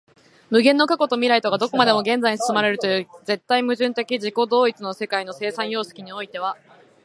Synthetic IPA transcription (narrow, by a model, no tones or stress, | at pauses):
mɯ̟ɡẽ̞nːo̞kako̞t̪omʲiɾait̪o̞ɡad̪o̞ko̞mad̪e̞mo̞ɡẽ̞nd͡zaiɲ̟isɨ̥sɨmaɾe̞ɾɯ̟t̪o̞jɯ̟ːze̞t̪ːaimɯ̟ʑɨ̃nt̪e̞kʲiʑiko̞d̪o̞ːit͡sɨno̞se̞kaino̞se̞ːsãɰ̃jo̞ːsɨ̥kʲiɲ̟io̞it̪e̞β̞a